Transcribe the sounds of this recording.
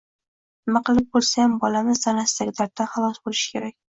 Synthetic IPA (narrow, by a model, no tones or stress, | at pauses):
nɪmaqɨlˠɪp̚bolˠsajmbɒlanɪzt̪anast̪aɡʲd̪aɾt̪ːaχɑlˠɒsbolˠɪʃkʲʰeɾak̚ʲ